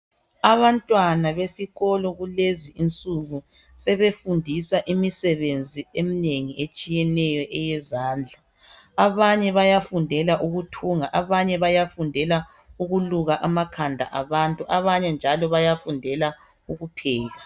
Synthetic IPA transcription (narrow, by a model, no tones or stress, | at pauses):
aβantʼwanaβesiɣɔlɔɣuleziːnt͡sʼuɣu | sɛβefundʱiswaʔimisɛβend͡zʱiemineŋiʔet͡ʃʼijɛnɛjɔʔɛjɛzaːnd͡ɮʱa | aβaɲɛβajafundʱɛlaʔuɣutʰuŋaʔaβaɲɛβajafundʱɛla | uɣuluɣaʔamakʰandʱa̰ʔaβantʼuʔaβaɲɛnd͡ʒʱalɔβajafundʱɛla | uɣupʰɛːɣa